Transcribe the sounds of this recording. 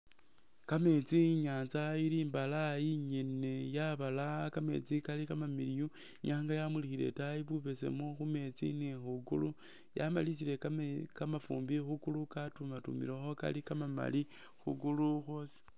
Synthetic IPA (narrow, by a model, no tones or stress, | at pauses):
kame̞t͡siɲaːnzailiːmbalajiɲene̞jaβalakame̞̰t͡sikalikamamiliju | ɲaːŋɡajamulixile̞̰tajiβuβe̞se̞̰moxume̞t͡sḭnexuɡṵlu | jamalisile̞kamafṵːmbixukulukatumatṵmḭlexo̞ka̰likamama̰li | xṵɡuluxwosi̥